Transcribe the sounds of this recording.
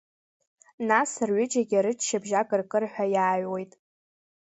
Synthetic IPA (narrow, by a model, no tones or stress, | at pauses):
nasɨrɥʷʏd͡ʒʼaɡʲaɾɨt͡ʃʰʃabʒakʼɨrkʼɨrħʷᶣajaːɥwejtʼ